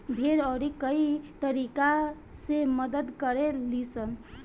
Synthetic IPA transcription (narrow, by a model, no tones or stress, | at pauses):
bʱeɾɔɾikəit̪əɾika | semʌd̪əd̪kəɾelisən